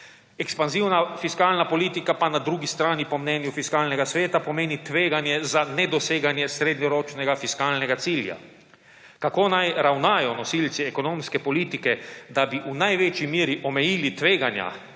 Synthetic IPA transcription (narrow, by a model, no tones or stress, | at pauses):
ɛkspanziwnafiskaːlnapɔliːt̪ikapanad̪ɾuːɡist̪ɾaːnipɔmnɛːnjufiskaːlnɛɡasʋeːt̪apɔmeːnit̪ʋeːɡanjɛzanɛd̪ɔseːɡanjɛsɾeːd̪ɲɔɾoːt͡ʃnɛɡafiskaːlnɛɡat̪siːlja̰ | kakoːnajɾawnaːjɔnɔsilt̪siɛkɔnoːmskɛpɔliːt̪ikɛd̪abiʔunajʋet͡ʃimiːɾiʔɔmɛjiːlit̪ʋeːɡanja̰